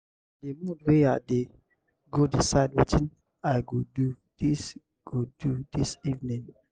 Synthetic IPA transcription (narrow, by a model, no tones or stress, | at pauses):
demũdwea̰ʔde | ɡodisaɪd̚wit͡ʃin | ajɡodu | dis | ɡ̥odudisivnĩŋ